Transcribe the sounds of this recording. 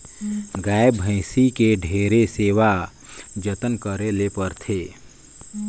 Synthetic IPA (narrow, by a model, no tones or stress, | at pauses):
ɡaːebʱə̃ɪ̃sikeɖʱeːɾeseʋa | d͡ʒət̪ənkəɾelepəɾt̪ʰe